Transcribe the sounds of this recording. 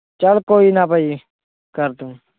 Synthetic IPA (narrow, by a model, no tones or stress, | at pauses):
t͡ʃəlkoːiːnapəi | kəɾt̪ũ